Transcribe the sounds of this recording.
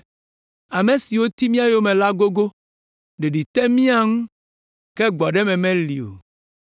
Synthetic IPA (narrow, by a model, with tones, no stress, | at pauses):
a˨mẽ˨si˨wo˦t̪i˦mĩ˦a˨jo˦mɛ̃˨la˦ɡo˦ɡo˦ | ɖe˨ɖi˨t̪ɛ˦mĩ˦a˦ŋũ˦ | kɛ˦ɡ͡bɔ˨ɖɛ˦mɛ̃˨mɛ̃˦lḭ˨o̰˨